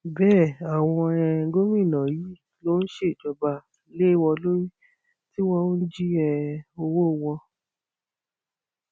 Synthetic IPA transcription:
bɛː˦˨a˨w̃ɔ̃˧ɛ˧˨ɡo˦mĩ˦˨nã˨ji˨˦ | lo˦n̩˦ʃe˦˨d͡ʒɔ˨ba˨˦ | le˦i˦˨wɔ̃˧lo˦ɾi˦ | ti˦wɔ̃˧˦d͡ʒi˦ɛ˧o˧wo˦˨w̃ɔ̃˧

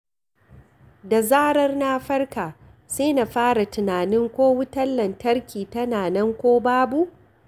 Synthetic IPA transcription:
da˨zaː˦ɽɐ˦rnaː˦ɸɐ˦rkaː˨seː˦na˨ɸaː˦ɽa˨tɪ˨naː˨nɪ˦ŋkʷoː˦wʊ˦tɐ˦lːɐ˨ntɐ˦rkʲʰiː˨tɐ˦naː˨nɛ˦ŋkʷoː˦baː˦bu˦ʔ

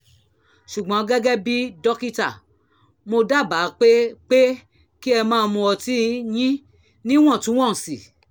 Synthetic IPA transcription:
ʃu˨ɡ͡bɔ̃˨˦ɡɛ˦ɡɛ˦bi˦dɔ˦ki˦ta˨ | mo˧da˦˨ba˨˦˧k͡pe˦k͡pe˦ | ki˦ɛ˧mãː˦˧mũ˧ɔ˧ti˦j̃ĩ˦ | nĩ˦w̃ɔ̃˦˨tũ˦w̃ɔ̃˦˨si˨

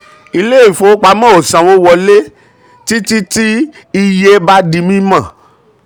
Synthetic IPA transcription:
i˧le˦i˦˨fo˨˦k͡pa˧mã˦o˨sã˨wo˦wɔ˧le˦ | ti˦ti˦ti˦ | i˧je˦ba˦di˧mĩ˦mã˦˨

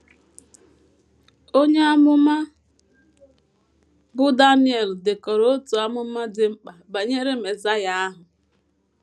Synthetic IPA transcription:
o˦ɲe˦a˦mʊ˦ma˦ | bʊ˦da˦ni˦e˨ldɪ˨kɔ˨ɾo˦tu˨a˦mʊ˦ma˦dɪ˨ŋ͡m̩˦k͡pa˨ba˨ɲe˦ɾe˦me˨za˦ja˦a˦ɦʊ˨

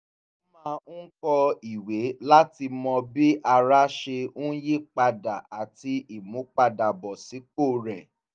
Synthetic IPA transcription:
mã˦˧˦kɔ˧i˨we˨˦la˦ti˧mɔ̃˧bi˦ʔa˧ɾa˦ʃe˧ũ˦je˦˨k͡pa˧da̰˨a˨ti˧i˦˨mũ˨˦k͡pa˧da˨bɔ˨si˨˦k͡po˦˨ɾɛ˨

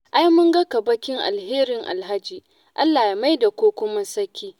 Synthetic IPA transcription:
ʔa˦jmʊ˦ŋɡɐ˦kɐ˨bɐ˦kʲɪ˦ŋʔa̰˨lɦeː˦ɾɪ˨ŋʔa̰˨lɦa˦d͡ʒiː˨ | ʔa˦lːaː˨ja˨ma˦jda˨kʷoː˦kʷʊ˦ma˦sɐ˦kʲːiː˦

